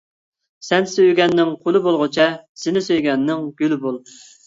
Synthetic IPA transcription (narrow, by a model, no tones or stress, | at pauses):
sɛnsøjɡʲɛnːɪŋqʰolˠɨbolˠʁʊt͡ʃʰɛsɪnɪsøjɡʲɛnːɪŋɡʲylɪbolˠ